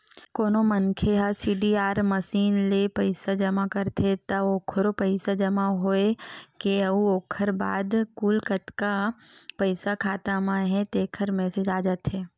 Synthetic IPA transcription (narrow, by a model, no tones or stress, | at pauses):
koːnomənkʰeɦasiːɖiːaːɾməsiːnlepəɪsad͡ʒɐmakəɾt̪ʰet̪ɐoːkʰɾopəɪsad͡ʒɐmaɦoekeɐuoːkʰəɾba̰ːd̪kuːlkət̪ka | pəɪsakʰaːt̪amãɦɛ̃t̪eːkʰəɾmɛːsed͡ʒaːd͡ʒat̪ɦɛː